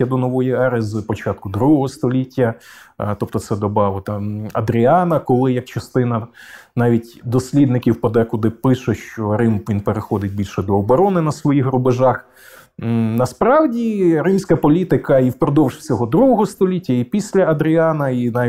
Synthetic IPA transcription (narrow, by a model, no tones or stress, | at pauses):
ɐd̪ɔnɔʋɔjiɛɾɛzpɔt͡ʃɑt̪̚kʊd̪ɾuɦɔɦɔst̪ɔlʲitʲːɐt̪ɔp̚t̪ɔt̪sɛd̪ɔbɑʋɪt̪ɐɐd̪ɾʲiɑnɐkɔlˠɪjɐk̚t͡ʃɐst̪ɪnɐnɑʋʲitʲd̪ɔsʲlʲid̪nɪkʲiwpɐd̪ɛkʊd̪ɪpɪʃɛʃt͡ʃɔɾɪmʋʲinpeɾexɔd̪ɪt̚ʲbʲilʲʃɛd̪ɔːbɔɾɔnɪnɐsʋɔjixɾʊbeʒɑx | nɐspɾɑwdʲiɾɪmsʲkɐpɔlʲit̪ɪkɐiwpɾɔd̪ɔwʃt͡sʲɔɦɔd̪ɾuɦɔɦɔst̪ɔlʲitʲːɐipʲisʲlʲɐɐd̪ɾʲiɑnɐinɑ